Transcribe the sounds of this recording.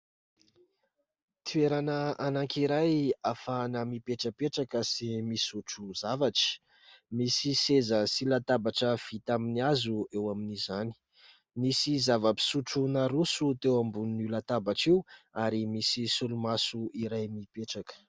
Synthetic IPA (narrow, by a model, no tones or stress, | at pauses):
t̪ʰueɾanəanaŋkiɾajafanəmipeʈ͡ʂəpeʈ͡ʂakəsimisuʈ͡ʂuzavaʈ͡ʂi̥ | misisezəsilat̪abaʈ͡ʂəv̥it̪aminiazuewaminizani̥ | misizavəpi̥suʈ͡ʂunaɾusut̪ewambunnulat̪abaʈ͡ʂiwaɾimisisulumasuiɾajmipeʈ͡ʂakə̥